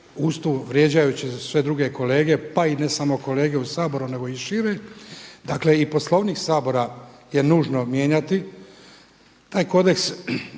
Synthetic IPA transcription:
ust̪uʋɾje̞d͡ʑajut͡ɕesʋe̞d̪ɾuɡe̞ko̞le̞ːɡe̞paine̞samo̞ko̞le̞ːɡe̞usaːbo̞ɾune̞ɡo̞iʃiɾed̪akle̞ipo̞slˠo̞ʋniːksaːbo̞ɾaje̞nuːʒno̞mje̞ːɲat̪i | t̪aːjko̞d̪e̞ks

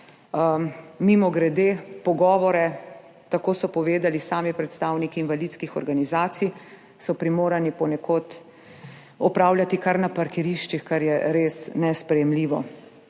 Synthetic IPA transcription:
mimɔɡɾɛd̪eːpɔɡɔːʋɔɾɛ | t̪akoːsɔpɔʋeːd̪alisaːmipɾɛt̪st̪aːwnikiːnʋalit̪skixɔ̰ɾɡanizaːt̪sij | sɔpɾimoːɾanipɔnɛkot̪ | ɔpɾaːwlʲjat̪ikaɾnapaɾkɛɾiːʃt͡ʃixkaɾjɛɾeːsnɛspɾɛjɛmliːʋɔ

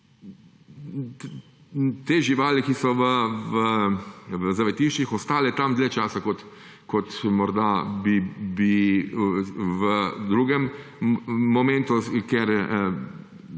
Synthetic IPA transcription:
t̪eːʒiʋaːlikisɔʋəʋə | ʋəzaʋɛt̪iːʃt͡ʃixɔst̪aːlɛt̪amd̪lɛt͡ʃaːsakɔt̪ | kɔt̪mɔɾd̪abibi | ʋəd̪ɾuːɡɛmː | ɔmẽnt̪ukɛɾ

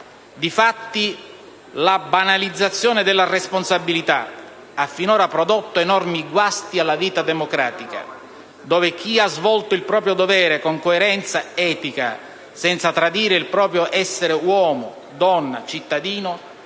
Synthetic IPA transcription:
d̪ifat̪ːi | labanalid̪zːat̪sːjɔːnɪd̪ɪlːaresponsabːilit̪a̰ | afːinoːɾapɾɔd̪ot̪ːoenɔrmiɡwast̪ialːaviːt̪ad̪emokɾaːt̪ika̰ | d̪oːvɪk̟iazvɔlt̪oilpɾɔːpɾjod̪ovɛːɾekoŋkoeɾɛnt̪saɛːt̪ika̰ | sɛnt̪sat̪ɾad̪iːɾɪilpɾɔːpɾjoʔɛsːeɾewɔːmʊ̰ | d̪ɔnːa̰t͡ʃit̪ːad̪iːno

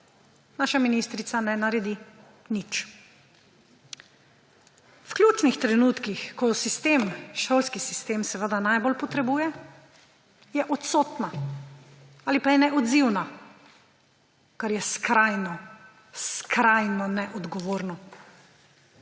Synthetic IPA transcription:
naːʃaminist̪ɾit̪sanɛnaɾɛd̪i | nit͡ʃ | wklʲjuːt͡ʃnixt̪ɾɛnuːt̪kixkɔsist̪eːmʃolskisist̪eːmsɛʋəd̪anajbolpɔt̪ɾɛbuːjɛ | jɛʔɔt̪soːt̪na | aːlipajɛnɛɔd̪ziwna | kaɾjɛskɾajnɔ | skɾajnɔnɛʔɔd̪ɡɔʋoːɾnɔ

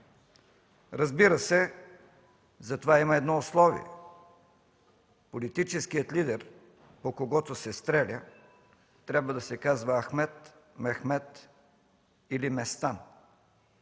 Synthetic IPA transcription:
ɾɐzbiɾəsɛ | zɐt̪ovaimɐɛd̪nɔʊslˠɔvḭɛ̰ | polit̪it͡ʃɛsk̟ijət̪lid̪ɛɾ | pokoɡɔt̪osɛst̪ɾɛlʲə | t̪ɾʲabvəd̪ɐsɛkazvəːxmɛt̪ | mɛxmɛt̪ | ilimɛst̪an

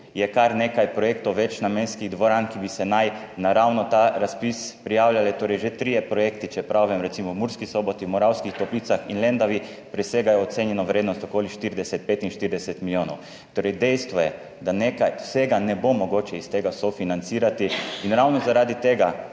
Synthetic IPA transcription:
jɛkaɾnekajpɾɔjeːkt̪ɔwʋɛt͡ʃnamenskiɣd̪ʋɔɾankibisɛnaj | naɾawnɔt̪aːɾaspispɾijaːwlʲjalɛt̪oːɾɛjʒet̪ɾijɛpɾɔjeːkt̪it͡ʃɛpɾaʋɛmɾɛt̪simɔwmuɾskisɔbɔt̪iwmɔɾawskixt̪ɔpliːt̪saxinlɛnd̪aʋi | pɾiseɡajɛɔt̪seːnjɛnɔʋɾeːd̪nɔst̪ɔkoːliʃt̪iɾd̪ɛsɛt̪̚peːt̪inʃt̪iɾd̪ɛsɛt̪miljoːnɔ̰w | t̪oːɾɛjd̪ɛjst̪ʋɔjɛ | d̪anekajseɡanɛbomɔɡoːt͡ʃɛist̪eːɡasɔfinant̪siːɾat̪iinɾawnɔzaɾaːd̪it̪eːɡa

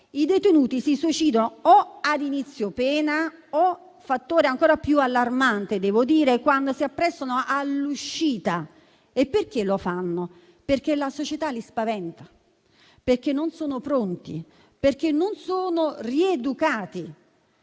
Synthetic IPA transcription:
id̪et̪enuːt̪isisut͡ʃiːd̪onoɔad̪init̪sːjopɛːnaɔ | fat̪ːoːɾeaŋkoːɾapjualːarmant̪ed̪ɛːvod̪iːɾekwand̪osiapːɾɛsːonoʔalːuʃːiːt̪a | epːerk̟elofanːo | perk̟elasot͡ʃet̪alispavɛnt̪ḁ | perk̟enːonsoːnopɾont̪ḭ | perk̟enːonsoːnoried̪ukaːt̪i

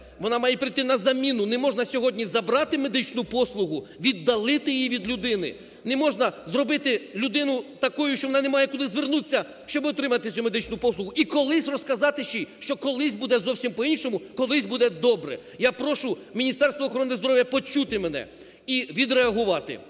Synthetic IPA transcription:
ʋɔnɑmɑjɛpɾɪjt̪ɪnɐzɐmʲinʊnemɔʒnɐsʲɔɦɔdʲnʲizɐbɾɑt̪ɪme̞d̪ɪt͡ʃnʊpɔslˠʊɦʊʋʲid̪ːɐlˠɪt̪ɪjjiʋʲid̪lʲʊd̪ɪnɪ̰ | nemɔʒnɐzrɔbɪt̪ɪlʲʊd̪ɪnʊt̪ɐkujʊʃt͡ʃɔʋɔnɑnemɑjɛkʊd̪ɪzʋernut͡sʲːɐ | ʃt͡ʃɔbɪɔt̪ɾɪmɐt̪ɪsʲume̞d̪ɪt͡ʃnʊpɔslˠʊɦʊʔikɔlˠɪsʲrɔskɐzɑt̪ɪʃt͡ʃijʃt͡ʃɔkɔlˠɪsʲbud̪ɛzɔwsʲimpɔinʃɔmʊkɔlˠɪsʲbud̪ɛd̪ɔbɾɛ̰ | japɾɔʃʊmʲinʲist̪ɛrst̪ʋɔːxɔɾɔnːɪzd̪ɔɾɔwʲjɐpɔt͡ʃut̪ɪmenɛ̰ | iʋʲid̪ɾeɐɦʊʋɑt̪ɪ̰

